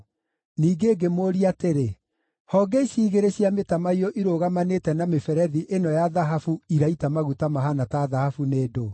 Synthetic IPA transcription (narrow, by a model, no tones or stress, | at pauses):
niːɡeːɡemoːɾiateɾe | hɔɡɛisiːɣeɾeɕiametamaiɔʔiɾoɣamanetɛnamefɛɾɛðiʔenɔjaðaɦafuiɾaitamaɣutamaɦanataðahafuneːdo